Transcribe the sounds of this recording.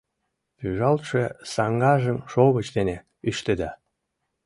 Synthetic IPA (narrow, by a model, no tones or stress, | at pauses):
pyʒɑlt̪ʃesɑŋɡɑʒəmʃoβət͡ɕd̪ene | yʃt̪ed̪ɑ